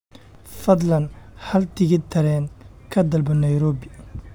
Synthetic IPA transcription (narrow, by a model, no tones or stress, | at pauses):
fɐd̪lɐnhɐlt̪ʰɪɣɪt̪ʰɐɾɛːn | kʰɐd̪ɐlbɐnːɐjɾɔːbɪ